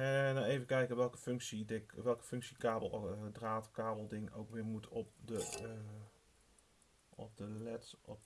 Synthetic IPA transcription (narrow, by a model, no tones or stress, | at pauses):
ɛnaejvəkɛjkəʋɛlˠkəfʏŋksidɪŋʋɛlˠkə̥fʏŋksikaːblˠdraːtkaːbəlˠdɪŋowkʋɪːɹmutʰɔp̚də | ɔ̰p̚dəlɛtɔp